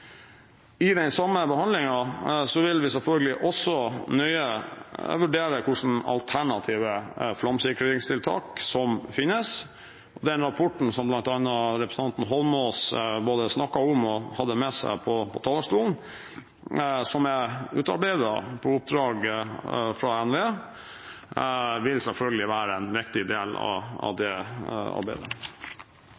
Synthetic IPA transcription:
ɪd̪ɛɪnsɑmːəbəhɑnd̪lɪŋɑsɔʋɪlʋɪsɛlfœlɡəlɪʔɔsːɔnœʏəʋʉɖeːɾəkʰʊʂn̩ɑ̰lt̪ʰæɳɑt̪ʰiːʋəflɑmsɪkɾəɾɪŋst̪ʰɪlt̪ʰɑ̰ːksɔmfɪnːəs | ɔd̪ɛnɾɑpʰɔʈɳ̩sɔmblɑnt̪ɑnːɑɾɛpɾəsn̩ɑnt̪n̩ɦɔlmosboːd̪əsnɑkːɑʊmɔhɑd̪ːəmɛsæ̰ɪpʰɔpʰɔt̪ʰɑːləstuːln | sɔmæʉːt̪ɑ̰ɾbæɪd̪ɑpʰɔʊp̚d̪ɾɑːɡ | fɾɑɛnʋeː | ʋɪlsɛlfœlɡəlɪʋæːɾəɛnʋɪkt̪ɪd̪eːlɑ̰ɑ̰ʋd̪ɛɑ̰ɾbæɪd̪ə

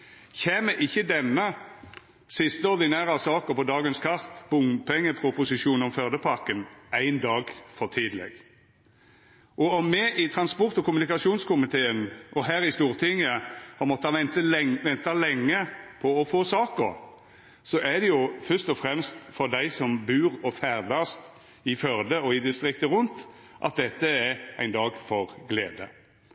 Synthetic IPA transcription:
çeːməʔɪçːəd̪ɛnːə | sɪst̪əɔɾd̪ɪnæːɾɑsɑːkəpɔd̪ɑːɡənskʰɑʁt̪b̥ʊŋpʰɛŋːəpʰʁʊpʊsɪʃuːnɔmfœʁd̪əpʰɑʁkənæɪnd̪ɑːɡfɔʁt̪ʰiːd̪əlɛ̰ɡ | ʔɔɔmːɛʔɪt̪ʰʁɑnspɔʁt̪ɔkʊmʉnɪkɑʂuːnskʰʊmɪt̪ʰeːənʔɔɦæːɾɪst̪uːʁt̪ʰɪŋːəhɑʁmɔt̪ːəɑɛnt̪əʋɛnt̪ɑlɛŋːəpʰɔɔfoːsɑːkəʁ | sɔʔæd̪ɛjʊfœst̪ɔfɾɛmst̪fɔd̪æɪsɔmbʉːʁɔfæɾd̪ɑst̪ | ɪfœʁd̪əɔɪd̪ɪst̪ɾɪkt̪əʁʉnt̪ | ʔɑ̰t̪̚d̪ɛt̪ːəæɾæ̰ɪnd̪ɑːɡfɔʁɡleːd̪ə̰

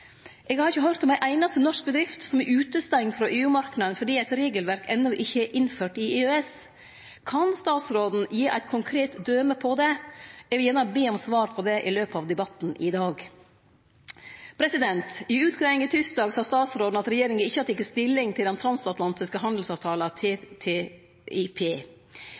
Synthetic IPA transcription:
ʔɛɡhɑɾɪçːəɦœɾt̪ɔmæɪʔæɪnɑst̪ənɔʂk̚bəd̪ɾɪft̪sɔmɛɾʔʉːt̪əst̪ɛŋt̪fɾɔʔeːʉːmɑɾknɑənfɔɖiːæɪt̪ɾeːɡəlʋæɾkɛnːɔʔɪçːəɛʔɪnføːʈɪeːøɛs | kʰɑnst̪ɑːt̪sɾoːd̪n̩jiːʔæ̰ɪt̪kʰʊŋkʰɾeːt̪d̪øːməpʰɔd̪ɛɛʋɪljæːɳəbeːɔmsʋɑːɾpʰɔd̪ɛʔɪløːpɑʋd̪ɛbɑt̪ːn̩ʔɪd̪ɑːɡ | pʰɾɛsɪd̪ɛnt̪ɪʉːt̪kʰɾæɪŋɪt̪ʰʏskd̪ɑːɡsɑːst̪ɑːt̪sɾoːd̪n̩ɑt̪ɾɛjeːɾɪŋənɪçːəɑt̪ɪkːəst̪ɪlːɪŋt̪ʰɪld̪ɛnt̪ʰɾɑnsɑt̪ʰlɑnt̪ɪskəɦɑnd̪l̩sɑːʋt̪ʰɑːlət̪ʰːt̪ʰe | ipʰeː

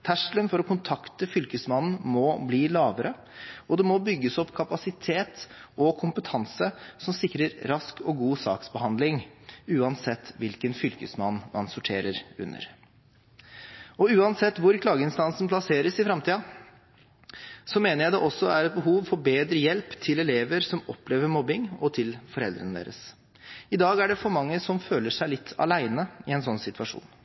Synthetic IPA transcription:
t̪ʰæʂlənfɔɾɔkʰʊnt̪ʰɑkt̪əfʏlkəsmɑnn̩mɔbliːlɑːʋəɾə | ɔd̪ɛmɔbʏɡːəsɔpːkʰɑpɑsɪt̪ʰeːt̪ɔkʰʊmpət̪ʰɑnsəsɔmsɪkːɾəɾɾɑskʰɔɡuːsɑ̰ːksbəhɑnd̪lɪŋʉːɑnsɛt̪ːʋɪlkənfʏlkəsmɑnːmɑnsʊʈʰeːɾəɾʉ̰nːə̰ɾ | ɔʉːɑnsɛt̪ːʋʊɾkʰlɑːɡəɪnst̪ɑnsn̩plɑseːɾəsɪfɾɑmt̪ʰiːɑ | sɔmeːnəɾjæɪd̪ɛʔɔsːɔæɾɛt̪̚bəɦuːʋfɔɾbeːd̪ɾəjɛlpt̪ʰɪlɛleːʋəɾsɔmɔpleːʋəɾmɔbɪŋɔt̪ʰɪlfɔɾɛld̪ɾənəd̪ḛːɾəs | ɪd̪ɑːɡæɖɛfɔɾmɑŋːəsɔmføːləʂæɪlɪt̪ʰːɑ̰læɪnəɪɛnsɔnːsɪt̪ʉʋɑʂṵːn

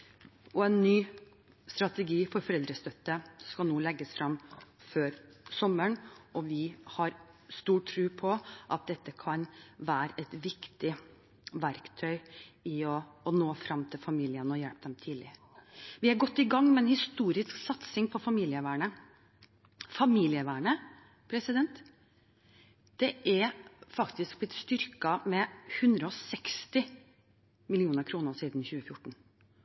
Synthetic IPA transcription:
ɔɛnːyː | st̪ɾɑt̪ɛɡiːfɔɾfɔɾɛld̪ɾəst̪œt̪ːəskɑlnuːlɛɡːəsfɾɑmføːɾsɔməɳɔʋɪhɑɾst̪uːʈʰːɾʉːpʰɔʔɑt̪̚d̪ɛt̪ːəkʰɑnʋæːɾəʔɛt̪ʋɪkt̪ɪ | ʋæɾkt̪ʰœʏɪɔːnoːfɾɑmːt̪ʰɪlfɑmiːlɪənɔjɛlp̚d̪ɛmt̪ʰiːlɪ | ʋɪæɾɡɔt̪ːɪɡɑŋːmɛnhɪst̪uːɾɪsksɑt̪sɪŋpʰɔfɑmiːlɪəʋæːɳə | fɑmiːlɪəʋæːɳə | pʰɾɛsɪd̪ɛnt̪ | d̪̥ɛʔæɾfɑkt̪ɪskb̥lɪt̪st̪ʏɾkɑmɛhʉnd̪ɾəɔsɛkst̪ɪ | mɪlɪuːnəɾkʰɾuːnəɾʂiːd̪n̩çʉːəfjʊʈːɳ̩

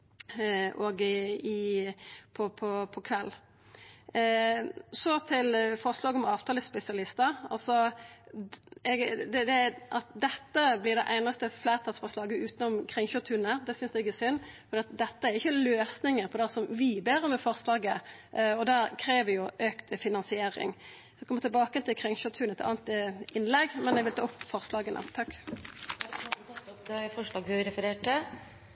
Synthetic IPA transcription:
ɔɡɪ | pʰɔpʰɔpʰɔkʰʋɛlː | sɔt̪ʰɪlfɔʁʂlɑːɡəɔmɑːʋt̪ʰɑːləspɛsɪɑlɪst̪əɑ̰lsɔ | ɛɡd̪ɛd̪ɛʔɑt̪d̪ɛt̪ːəblɪʁd̪ɛʔæɪnɑst̪əflæːɾt̪ʰɑlsfɔʂlɑːɡəʉːt̪nɔmkʰʁɪŋçøt̪ʰhʉnəɾd̪ɛsʏnsd̪ɛɪɡɛsʏnːfɔd̪iːɑt̪̚d̪ɛt̪ːəæɾɪçːəløːsnɪŋəɾpʰɔd̪æsɔmʋɪbeːɾɔmɛfɔʁslɑːɡə | ʔɔd̪æɾkʰɾeːʋəjʊʔøːkt̪əfɪnɑnsɪeːɾɪ̰ŋ | sɔɛkɔmət̪ɪlbɑːkəɛnt̪ɪlkʰʁɪŋʃʉt̪ʰʉnɛt̪ɑ̰ːnt̪ɪnlɛɡmɛnɛɡʋɪlt̪ɑ̰ːʊpːfɔʁslɑːɡənʔə̰t̪ʰɑkː | fɔʂlɑːɡhʉɾɛfəɾeːʈə

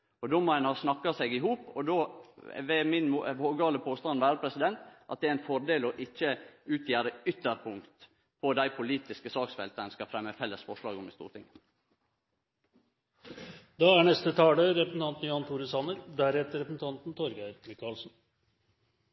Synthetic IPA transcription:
ɔd̪oːmɔænhɑsnɑkːɑseɡɪɦuːpɔ̰d̪o̰ːʋɛmɪnmoʋoːɡɑːləpʰoːst̪ɑnʋæːɾəpʰɾɛsɪd̪ɛnt̪ʔɑt̪̚d̪ɛææɪnfɔɾɖ̪eːlɔʔɪçːəʉːt̪ʰjeːɾəʏt̪ːəɾpʰʊŋkt̪ | pʰɔd̪æɪpʰʊliːt̪ɪskəsɑːksfɛ̰lt̪ənskɑfɾɛmːəfɛlːəsfɔʂɭɑːɡɔmɪst̪ṵːɾt̪ɪ̰ŋ | d̪ɑːæɳɛst̪ət̪ʰɑːləɾɛpəsn̩t̪ɑnt̪n̩jɑnt̪ʰuːɾəsɑnəɾd̪æɾhɛːt̪əɾɛpəsn̩t̪ʰɑnt̪n̩t̪ʰɔɾɡæmɪkɑlsn̩

